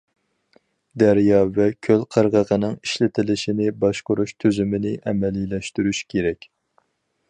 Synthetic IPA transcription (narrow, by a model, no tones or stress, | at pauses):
d̪æɾjɑvɛkʲʰølqʰəɾʁəʁənɨŋiʃlɪt̪ʰɪlɪʃinɪbɑʃqʊɾuʃt̪ʰøzymɪnɪʔɛmɛlilɛʃt̪yɾyʃkʲʰeɾɛkʲ